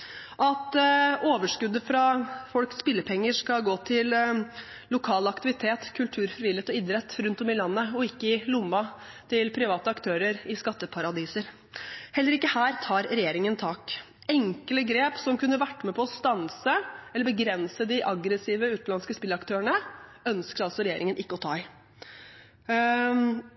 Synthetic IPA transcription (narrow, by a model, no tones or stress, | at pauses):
ʔɑt̪oːʋəʂkʉd̪ːəfɾɑfɔlkspɪlːəpʰɛŋːəʂkɑlɡoːt̪ʰɪl | lʊkʰɑːlɑkt̪ɪʋɪt̪ʰeːt̪kʰʉlt̪ʰʉːɾfɾɪʋɪlːet̪ɔɪd̪ɾɛt̪ːɾʉnt̪ɔmɪlɑnːəɔɪkːəɪlʊmːɑ | t̪ʰɪlpʰɾɪʋɑːt̪əɑkt̪ʰøːɾəɾɪskɑt̪ːəpʰɑɾɑd̪iːsəɾ | hɛlːəɾɪkːəhæːɾt̪ʰɑːɾɾɛjeːɾɪŋənt̪ʰɑːk | ɛŋkələɡɾeːpsɔmkʉnːəʋæʈːəmɛpʰɔɔst̪ɑnsəɛlːəbəɡɾɛnsəd̪ɪʔɑɡɾəsiːʋəʉːt̪nɑnskəspɪlːəɑkt̪ʰøːəɳəœnskəɾɑlsɔɾɛjeːɾɪŋənʔɪkːəɔt̪ʰɑ̰ːɪ